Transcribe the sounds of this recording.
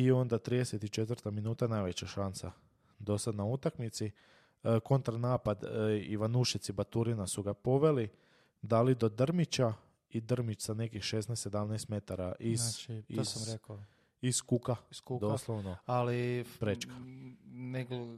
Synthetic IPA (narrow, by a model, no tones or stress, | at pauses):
io̞nd̪at̪ɾiːd̪eset̪it͡ʃet̪ʋɾt̪aminuːt̪anajʋet͡ɕaʃansa | d̪o̞sad̪naut̪akmit̪si | ko̞nt̪ɾanaːpad̪iʋanuʃit̪sibat̪uɾinasuɡapo̞ʋe̞li | d̪alid̪o̞d̪r̩mit͡ɕa | id̪r̩mit͡ʃsane̞kixʃesnajssed̪amnajst̪me̞t̪aɾaʔint͡ʃoɾk | iskukad̪oslˠoʋnoalipɾet͡ʃkḁneɡ